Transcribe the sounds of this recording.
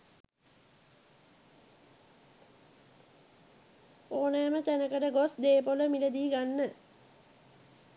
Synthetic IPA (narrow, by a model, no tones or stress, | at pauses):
oːnəjmət̪ænəkəʈəɡosd̪eːpoləmiləd̪iːɡanːə